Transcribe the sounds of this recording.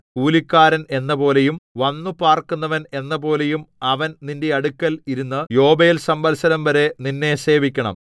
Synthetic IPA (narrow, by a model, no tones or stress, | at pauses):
kuːlikʲːaːɾɐne̞nːɐpo̞ːle̞jumʋɐnːupaːrkunːɐʋɐne̞nːɐp̬o̞ːle̞jumɐʋɐnninde̞ɐɽukːɐliɾunːɨjo̞ːbejilsɐmbɐlsɐnɐmʋɐɾe̞ninːe̞se̞ːbikʲːɐɳɐ̰m